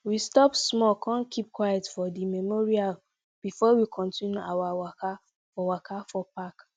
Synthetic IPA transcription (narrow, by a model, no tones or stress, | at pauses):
wistɔpsmɔkʰãnkʰip̚kwajɛtfɔdimɛmɔɹial | b̥ifɔwikʰɔ̃ntʰĩnjuawawaka | fɔwakʰafɔpak